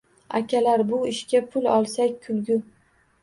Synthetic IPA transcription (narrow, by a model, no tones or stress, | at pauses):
a̰kʲʰalaɾbʊɪʃkʲapʰʊlɒlˠsakʲkʰʊlɡʲʊ